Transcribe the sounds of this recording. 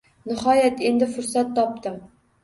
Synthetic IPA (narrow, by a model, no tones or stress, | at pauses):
nɨhɒjæt̪end̪ɪfʊɾsat̪ːɒp̚t̪ɨm